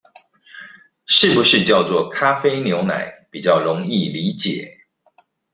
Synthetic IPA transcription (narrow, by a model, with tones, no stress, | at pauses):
ʂɻ̩˥˩pu˨˦ʂɻ̩˥˧t͡ɕjɑ˥˧ʊt͡swɔ˥˩kʰa˥fe˥ɪnjo˧˥ʊna̰˨˩˦ɪpi˨˩t͡ɕjɑ˥˩ʊɻʊ˧˥ŋi˥˩li˧˥t͡ɕjɛ̰˨˩˦